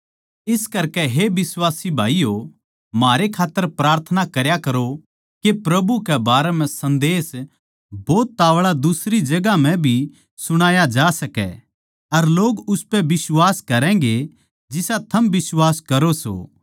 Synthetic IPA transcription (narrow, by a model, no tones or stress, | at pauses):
ɪskɐɾkɛɦebɪswaːsibʱaːijo | maːɾekʰaːt̪ːəɾpɾaːɾt̪ʰənakɐɾjakɐɾo | kepɾɐbukɛbaːɾɛmɛ̃sɐ̃nd̪eːs | bɔːt̪ːaːʋɭad̪ʊsɾid͡ʒɐɡam̤ɛ̃bʱi | sʊɽ̃aːjad͡ʒaːsɐkɛ̰ | ɐɾloːɡʊspɛbɪswaːskɐɾɛ̃ːɡe | d͡ʒɪsat̪ʰɐmbɪswaːskɐɾoso̰ː